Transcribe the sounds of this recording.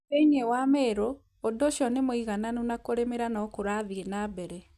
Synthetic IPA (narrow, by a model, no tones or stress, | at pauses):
eɲewamɛɾoː | doʃjɔnemoiɣananonakoɾemeɾanɔkoɾaðienabɛɾɛ